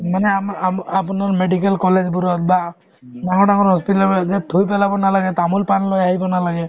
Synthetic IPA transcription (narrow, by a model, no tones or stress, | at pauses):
maneamapɔnɔɾmeɖikelkɔled͡ʒbuɾɔt̪ba | naŋɔnaŋɔɾɦɔspiʈamed͡ʒet̪ʰujpelabɔnalaɡet̪amulpanlojaɦibɔnalaɡe